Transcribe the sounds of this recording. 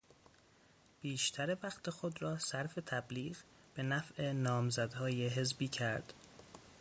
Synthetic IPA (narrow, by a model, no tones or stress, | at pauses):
b̥iːʃt̪ʰæɾevæxt̪ʰexod̪rɒːsæɾfe̞t̪ʰæbliːɢ | b̥e̞næfʔe̞nɒːmzæd̪hɒːjeɦe̞zbiːcʰæɾd̪̥